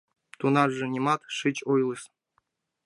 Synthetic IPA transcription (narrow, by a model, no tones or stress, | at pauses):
t̪unɑrʐɨnʲimɑt̪ʂɨt͡ɕojlˠɨs